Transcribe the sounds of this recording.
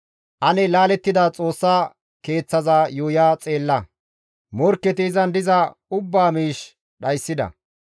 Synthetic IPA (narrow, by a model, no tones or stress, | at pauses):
ʔɐnɛlaːlɛt̪ːɪd̪at͡sʼo̞ːsːaː | ke̞ːt͡sːɐzaːjuːjaːt͡sʼe̞ːlːɐ | mɔɾkːɛt̪ɪːzɐnd̪ɪzɐʊbːaːmiːʃ | ɗɐjsːɪd̪ɐ̰